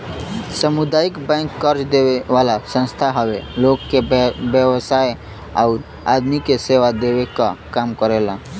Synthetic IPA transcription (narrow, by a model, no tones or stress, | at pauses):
səmud̪aikbə̃ŋkːəɾt͡ʃd̪ebeʋalasə̃nst̪ʰaɦəbelokːebjəbəsaj | a̰ʊɾ | a̰d̪mikeseʋad̪ebeka̰kamkəɾelã